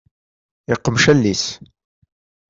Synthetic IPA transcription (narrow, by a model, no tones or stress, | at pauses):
ɪqːəmʃælːis